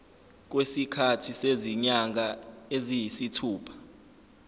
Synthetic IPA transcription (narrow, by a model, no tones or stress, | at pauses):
k̬wesikʰatʰiseziɲaŋaezijisitʰuːpʰḁ